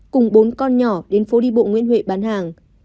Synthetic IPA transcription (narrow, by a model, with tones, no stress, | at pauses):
kʊ˨˩ŋ͡mɓo˨˦nkɔ˧nɲɔ˧˩ɗe˨˦nfo˨˦ɗi˧ɓo̰˧˨ŋwḭ˧˥ənɦwḛ˧˨ɓaː˨˦nɦaː˨˩ŋ